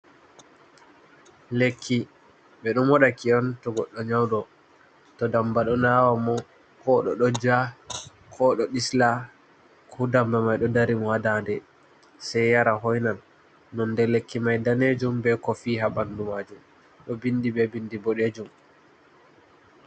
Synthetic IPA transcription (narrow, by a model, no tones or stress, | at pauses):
lekʰːi | bɛɗɔmwɔɗakiɔntɔɡɔɗːɔɲawdɔ | tɔdambaɗɔnawamɔ | kɔɗɔɗɔd͡ʒa | kʰɔɗɔɗisla | kʰudambamajɗɔdaɾimɔwadandɛ | sajːaɾaɦɔjnanː | ɔndɛlekːimajdaned͡ʒumbɛkɔfiːɦabandumaːd͡ʒum | ɗɔbindibɛbindibɔɗed͡ʒum